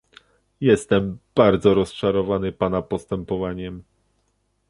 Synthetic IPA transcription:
jɛst̪ɛmb̥aɾd̪zɔɾɔst͡ʂaɾɔvanɘpanapɔst̪ɛmpɔvaɲɛm

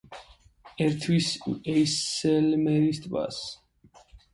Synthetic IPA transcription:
ɛɾt̪ʰwisɛjsɛlmɛɾist̪ʼva̰s

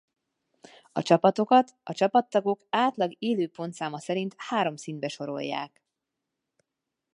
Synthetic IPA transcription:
ɒ̰t͡ʃɒpɒt̪o̞kɒt̪ɒt͡ʃɒpɒt̪ːɒɡo̞kaːt̪lɒɡeːløːpo̞nt̪saːmɒsɛɾint̪haːɾo̞msind̪̚bɛʃo̞ɾo̞̰jːa̰ːk

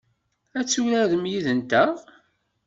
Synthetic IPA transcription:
æt͡sːulæðəmjiðənt̪æ

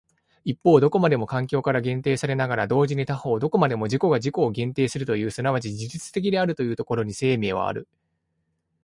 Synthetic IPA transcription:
ipːo̞ːd̪oko̞mad̪e̞mo̞kãŋkʲo̞ːkaɾaɡẽ̞nt̪e̞ːsaɾe̞naɡaɾad̪o̞ːʑiɲ̟it̪aho̞ːd̪o̞ko̞mad̪e̞mo̞ʑiko̞ɡaʑiko̞ːɡẽ̞nt̪e̞ːsɨɾɯ̟t̪o̞jɯ̟ːsɨnaβat͡ɕid͡ʑiʑit͡sɨ̥t̪e̞kʲid̪e̞aɾɯ̟t̪o̞jɯ̟ːt̪o̞ko̞ɾo̞ɲ̟ise̞ːme̞ːβ̞a̰a̰ɾɯ̟

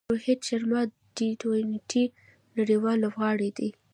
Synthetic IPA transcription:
ohed̪ʃaɾmɑ | d̪it̪onʈʰi | naɽiwɑlːobɣɑɽid̪i

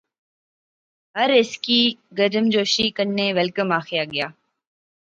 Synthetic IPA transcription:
ɦəɾɪskiːɡəɾəmd͡ʑoːʃiːkənːeːʋɛlkəmaːxɪjaːɠɪjaː

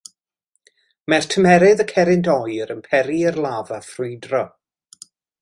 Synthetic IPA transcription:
mɛrtʰəmɛɾɪðəkʰɛɾɪntɔjɾənpʰɛɾiərlˠaːvaθrʊɨdrɔ

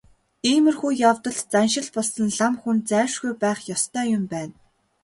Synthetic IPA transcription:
iːmɘ̆rxuːjawt̪ɞ̆ɮt͡sanʃɪ̆ɮpɔɮsə̆nɮamxunt͡sæːwʃɡujpæːχjɔst̪ʰœːjʊmpæːn

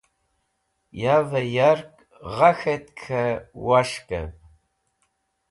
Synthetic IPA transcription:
jaːvɐjarkʼ | ʁaxɐt̪kʰɐwaʂkʼɐ̰v

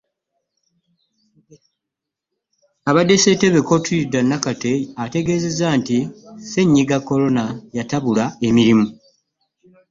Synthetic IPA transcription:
aβade̞se̞te̞βeko̞tuidanːakate̞ate̞ɡe̞ːze̞zantise̞ɲːiɡakːo̞lo̞najataβulae̞miɾimu

